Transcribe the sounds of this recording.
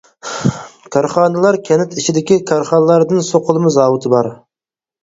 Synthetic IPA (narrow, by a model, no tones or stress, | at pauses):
kʰɑɾχɑnɨlˠɑɾkʲʰɛnɪt̪ʰɪt͡ʃʰɪd̪ɪkʲikʰɑɾχɑnlˠɑɾd̪ɨnsoqʰʊlˠɨmɨzɑːwɨt̪ʰɨbɑɾ